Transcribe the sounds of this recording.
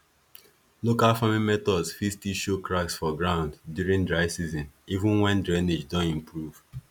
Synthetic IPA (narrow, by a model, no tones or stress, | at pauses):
lokalfamĩmɛtɔdsfistiʃokɹaksfɔɡɹãʊ̃nddjuɹĩŋdɹaɪsizɔ̃nivũnwɛ̃ndɹɛned͡ʒdɔ̃nĩmpɹuv̥